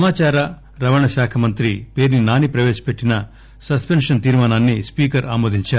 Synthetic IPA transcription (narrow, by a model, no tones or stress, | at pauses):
ɐmaːt͡ʃaːɾɐ | ɾɐʋɐɳɐʃaːkʰɐmɐnt̪ɾipe̞ːɾninaːnipɾɐʋeːʃɐ̥peʈːinɐ | sɐspenʂɐnt̪iːɾmaːnaːnːispiːkɐɾaːmoːd̪ʱiɲt͡ʃaː